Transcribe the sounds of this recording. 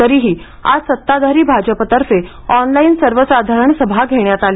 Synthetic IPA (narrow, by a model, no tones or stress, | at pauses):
t̪əɾiːɦiː | a̰d͡zsət̪ːad̪ʱaɾiːbʱad͡ʑəpət̪əɾse | ɔnlainsəɾʋəsad̪ʱaɾəɳsəbʱaɡʱeɳjat̪ali